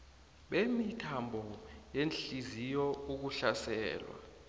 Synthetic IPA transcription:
ɓemitʰambʱɔjenɬizijɔuk̬uɬasɛ̰ːlwa̰

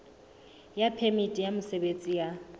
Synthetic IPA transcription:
japʰemitʼijamʊsɛbet͡sʼija

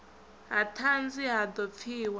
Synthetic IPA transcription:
ɦatʰand͡ziɦad̪ɔp̪fʰiːwa

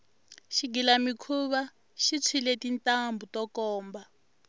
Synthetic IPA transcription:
ʃiɡilamikʰuβa | ʃit͡sʰwilɛtintʼambutɔkɔːmba

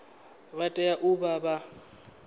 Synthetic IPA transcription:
batʼɛjaʔʊbaba

